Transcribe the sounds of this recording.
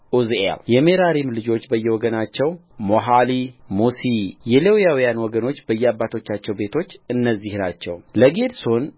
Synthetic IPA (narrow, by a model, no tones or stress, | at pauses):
ʔuza̰ljɛmeɾaɾimlɨd͡ʒo̞t͡ʃːbəjːɛwɔɡənat͡ʃːɛw | moɦalimusijɛlewjawijanwɔɡəno̞t͡ʃːbəjːɛabːat̪ʰo̞t͡ʃːat͡ʃːɛwbe̞t̪ʰo̞t͡ʃːɨnːəzːihnat͡ʃːɛwləɡed̪so̞n